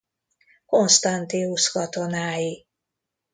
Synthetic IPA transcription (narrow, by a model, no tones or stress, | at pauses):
ko̞nst̪ɒnt̪iuʃkɒt̪onaːji